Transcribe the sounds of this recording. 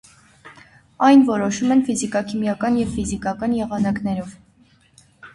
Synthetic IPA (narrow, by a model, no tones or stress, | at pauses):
ɑjnvɔɾɔʃumɛnfizikɑkʰimjɑkɑnjɛvfizikɑkɑnjɛʁɑnɑknɛɾɔv